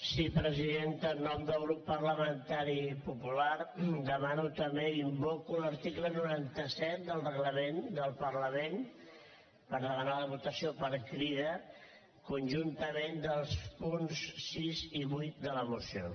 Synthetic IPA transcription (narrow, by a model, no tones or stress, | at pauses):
sipɾəziðent̪ənɔmd̪əlˠɣ̞ɾupːəɾləmənt̪aɾipupulaɾd̪əmanut̪əmeimbɔkuləɾt̪iklənuɾant̪əsɛt̪̚d̪əlˠrəɣləmend̪əlˠpərləmen | pəɾðəmənaləβut̪əsiopəɾkɾiðə | kunʲʒunt̪əmend̪əlˠspunsːiziβujt̪̚d̪ələmusio